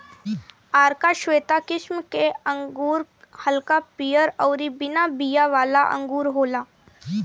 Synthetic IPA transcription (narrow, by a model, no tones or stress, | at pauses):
aːɾkaʃʋeːt̪akɪʃmkeə̃ŋɡuːɾ | hɐlkapijəɾɔːɾibɪnabijaʋaːlaʔɐ̰̃ŋɡuːɾɦoːlaː